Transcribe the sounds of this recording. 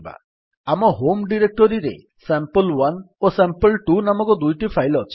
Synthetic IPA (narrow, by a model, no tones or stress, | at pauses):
ba̰ | amɔɦomɖiɾek̚ʈɔɾiɾḛ | sampəlwanosampəlʈunamɔkɔd̪ujʈifʰajlɔt͡ʃʰi̥